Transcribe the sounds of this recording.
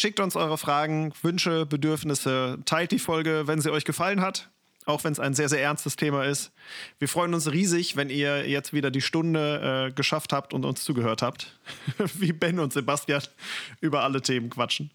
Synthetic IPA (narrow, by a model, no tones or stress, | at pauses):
ʃɪk̚tʊnsʔɔʏʁəfʁ̥aːɡŋ̩vʏnʃəbədʏɐfnɪsətʰaɪltd̥iːfɔlɡəvɛnziːɔʏçɡ̥əfalənɦat | ʔaʊxv̥ɛnsaɪnzeːɐzeːɐɛɐnstəstʰeːmaɪstv̥iːɐfʁ̥ɔʏənʊnsʁiːzɪçvɛniːɐjɛt͡stv̥iːdɐdiːʃtʊndəʔɛːɡəʃafthaːptʊntʊ̰nst͡suːɡəhøːɐthaːpt | viːbɛnʊntz̥ebastjanʔyːbɐʔalətʰeːmənkv̥at͡ʃn̩